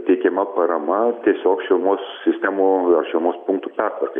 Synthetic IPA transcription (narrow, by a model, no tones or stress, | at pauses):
t̪ʲɛɪkʲɛmɐpɐɾɐmɐt̪ʲiɛsʲoːkʃʲɛlˠmoːssʲɪsʲt̪ʲæːmuɐrʃʲɛʊmoːspʊŋk̚t̪uːpʲært̪ʋɐrkɐɪ